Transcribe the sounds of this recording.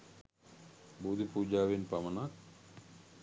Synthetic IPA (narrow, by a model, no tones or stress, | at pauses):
buːd̪ʱipuːd͡ʒaːʋenpamɐnak